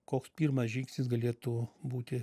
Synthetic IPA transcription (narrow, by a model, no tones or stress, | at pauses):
koːkspʲiːɾmɐsʒʲɪŋksʲnʲɪsɡɐlʲeːt̪ubuːt̪ʲɪ